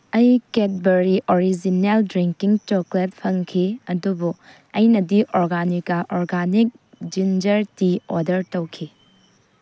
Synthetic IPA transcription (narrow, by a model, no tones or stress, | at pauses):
ɐjket̚beɾiʔoɾid͡ʒineldɾiŋkiŋt͡ʃoklet̚pʰɐŋkʰiɐdubu | ɐjnɐdiʔoɾɡanikɐʔoɾɡanik̚ | d͡ʒind͡ʒɐɾtiodɐɾtɐwkʰi